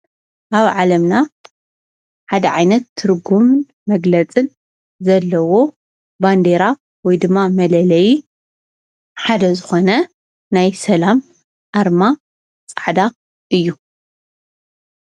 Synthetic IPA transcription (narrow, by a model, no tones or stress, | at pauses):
ʔaβʕalɐmna | ħad̪ɐʕajnɐt̪ʰːɨɾɡum | mɐɡlɐt͡sʼɨn | zɐlːɐwo̞ | band̪eɾa | wɔjd̪ɨmːamɐlɐlɐji | ħad̪ɐzɨxo̞nɐ | najsɐlam | ʔaɾma | t͡sʼaʕd̪a | ʔɨjːu